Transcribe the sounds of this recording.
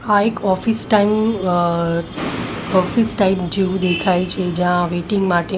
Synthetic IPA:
aekɔfisʈaim | ɔfisʈaimd͡ʒeʋũd̪ekʰajt͡ʃʰed͡ʒãʋeʈiŋɡmaʈe

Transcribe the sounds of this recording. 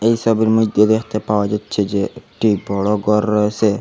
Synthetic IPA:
ejsɔbiɾmid̪jɔd̪ekʰt̪epawad͡ʒatːʃʰed͡ʒeʈibʱɔɭɔɡɔɾse

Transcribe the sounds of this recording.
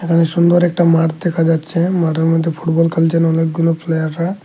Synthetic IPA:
ekʰaneʃund̪oɾɛk̚ʈamaɾd̪ɛkʰad͡ʒat̪ːʃʰemaʈeɾmɔd̪ʱːepʰuʈbɔlkəlt͡ʃənɔleɡɡuloplejaɾːa

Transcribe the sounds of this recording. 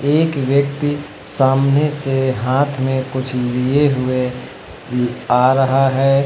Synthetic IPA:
eːkʋjək̚t̪i | saːmneseɦaːt̪ʰmẽkʊt͡ʃʰlieɦʊe | aːɾəɦaɦɛː

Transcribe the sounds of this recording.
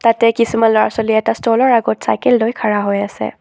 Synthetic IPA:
t̪atɛkisimanlɔɹa̰sɔliɛtastolɔɹaɡotsa̰jkeldojkʰaɹaɦojasɛ̰

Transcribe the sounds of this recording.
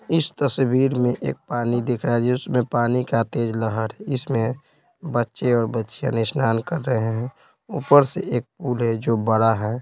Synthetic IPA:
ɪst̪əsbiːɾmẽʔḛːk̚paːnid̪ɪkʰɾad͡ʒeʊsmẽpaːnikat̪eːd͡ʒləɦəɾɦɛɪsmẽ | bətːʃeɔːɾbətːʃã̰nɪʃnaːnkəɾːəɦeɦɛ̃ | upəɾseeːk̚puːlɦɛd͡ʒobəɽaɦɛː

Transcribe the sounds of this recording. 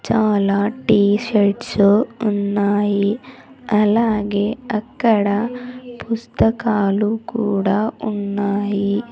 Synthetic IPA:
t͡ʃaːlaːʈiːʂɐt͡ʃounːaːjiɐlaːɡeɐkːɐɽɐpust̪ɐkaːlukuːɽaunːaːji

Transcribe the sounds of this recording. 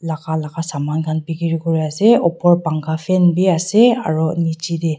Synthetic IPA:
lakʰalakʰasamankʰanbiɡiɾiɡɔɾijaseɔpʰɔɾbaŋɡapʰenbiasea̰ɾɔnit͡ʃid̪e

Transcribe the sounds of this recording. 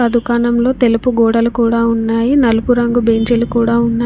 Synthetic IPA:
ɐd̪ʱukaːnɐmlo̞ːt̪e̞lupuɡɔːɽɐlukuːɽaːunːaːjinɐlupuɾɐŋɡubeːɲd͡ʒelukuːɽaːunːaː

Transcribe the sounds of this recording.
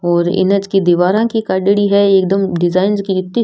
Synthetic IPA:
ɔːɾɪ̰nəd͡ʒkid̪iʋaːɾãkikaːɖəɽiɦɛeːk̚d̪əmɖɪzaːɪnzkiɪt̪ni

